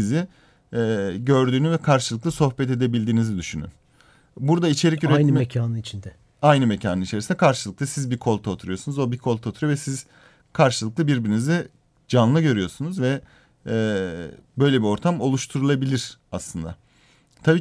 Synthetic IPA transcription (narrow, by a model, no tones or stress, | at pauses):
siziː | ɟø̞ɾd̪yːnyvɛkʰaɾʃɯlˠɯklˠaso̞hpɛt̪e̞d̪e̞bilʲd̪iːnizid̪yʃyny̰n | buɾd̪ait͡ʃʰe̞ɾicyɾɛnmɛaːnɯnit͡ʃʰind̪ɛ | ajnɯmecʰaːnɯnit͡ʃʰeɾsnɛkʰaɾʃɯlˠɯk̚lˠasizbikʰo̞lˠt̪ʰaot̪ʰuɾujo̞sunuzo̞bikʰo̞lˠt̪ʰaot̪ʰuɾvɛsiz̥ | kʰaɾʃɯlˠɯklˠabiɾbiɾinizi | d͡ʒanlˠɯɟø̞ɾyjo̞ɾsunuzvɛ | bø̞jlʲebio̞ɾt̪ʰamo̞lˠuʃt̪ʰuɾulˠabilʲiɾ̥aslˠɯnd̪a̰ | t̪ʰabiː